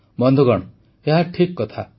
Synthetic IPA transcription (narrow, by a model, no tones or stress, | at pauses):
bɔnd̪ʱuɡɔɽ̃ | eɦaʈʰikːɔt̪ʰa